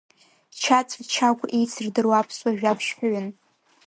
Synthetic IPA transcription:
t͡ʃʰat͡sʷʼt͡ʃʰakʷʰʼejt͡sʰɨrdɨrwapʰswaʒᶣapʰʃħʷᶣaɥʊn

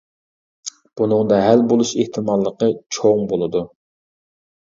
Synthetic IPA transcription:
b̥unɨŋd̪ɑɦælbolˠuʃeht̪ʰɨmɑlˠːəqət͡ʃʰoŋbolˠɨd̪u

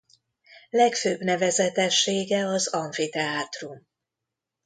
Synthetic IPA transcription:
lɛkføːbnɛvɛzɛt̪ɛʃːeːɡɛɒzɒɱfit̪ɛaːt̪rum

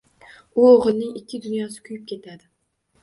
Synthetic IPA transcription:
ʊoʁɨlˠnɪŋɪkʲʰːɪd̪ʊnjɒsɪ̥kʲʰʊjɪp̚kʲʰe̞t̪ʰad̪ɪ

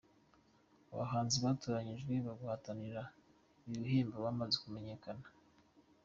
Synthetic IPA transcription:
a̰βa̰ɦaːnziβatoːɾaɲiʒɡeβaɡuhataniɾa | ijuheːmbaβamazekume̞ɲe̞kanḁ

